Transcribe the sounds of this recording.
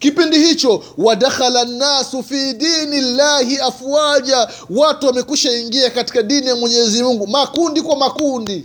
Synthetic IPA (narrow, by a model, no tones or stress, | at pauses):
kipindihit͡ʃɔwaɗaxalanːasufidiːnilːaːhiafuaʄa | watuwamɛkuʃaiŋɡiakati̥kaɗinijamwɛɲɛzimuŋɡumakundikwamakundi